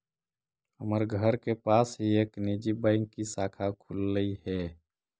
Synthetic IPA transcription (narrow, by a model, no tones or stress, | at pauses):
ɦəməɾɡʱəɾkepaːsɦieːknid͡ʒibəɪŋkisaːkʰakʰulːəiɦɛ